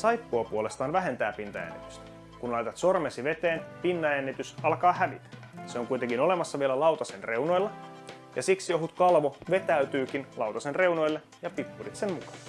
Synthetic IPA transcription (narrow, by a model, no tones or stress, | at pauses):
sɑjpːuɑpuole̞st̪ɑːnʋæɦe̞nt̪æːpint̪ɑ̰jæ̰nːḭt̪y̥st̪ | kunlɑjt̪ɑt̪so̞rmesiʋe̞t̪eːnpinːɑjænːit̪ysɑlkɑːhæʋit̪ | seoŋkujt̪eŋkinole̞mɑsːɑʋielælɑuwt̪ɑsenrewno̞jlːɑ | jɑsiksijo̞ɦut̪kɑlʋoʋe̞t̪æyt̪yːk̟inlɑwt̪ɑsenre̞wno̞jlːe | jɑpipːurit̪semmukɑ̥n